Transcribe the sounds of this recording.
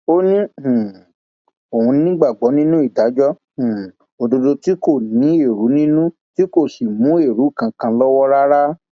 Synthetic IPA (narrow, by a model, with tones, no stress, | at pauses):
o˦nĩ˦hũ˨ | o˨ũ˧nĩ˧˦nĩ˦ɡ͡ba˦˨ɡ͡bɔ˨˦nĩ˦nũ˦i˦˨da˨˦d͡ʒɔ˦ | ũ˨ | o˨do˧do˧ti˨˦ko˦˨nĩ˨˦e˦˨ɾu˨˦nĩ˦nũ˦ | ti˦ko˦˨ʃi˨mũ˨˦e˦˨ɾu˨˦˨kã˧kã˧lɔ˦wɔ˦ɾa˦ɾa˦